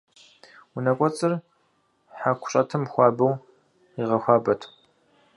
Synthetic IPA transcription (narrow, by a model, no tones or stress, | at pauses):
ʊnɐkʷʼɔt͡sʼɨr | ħakʷʰʊ̥ɕʼɐtʰɐmxʷɑːbɐw | iʁɐxʷaːbɐtʰ